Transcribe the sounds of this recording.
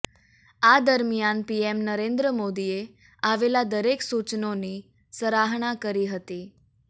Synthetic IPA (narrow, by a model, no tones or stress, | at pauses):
ad̪əɾmijanpiemnəɾẽnd̪ɾəmod̪ie | aʋelad̪əɾeksut͡ʃnoni | səɾaɦɳ̃akəɾiɦət̪i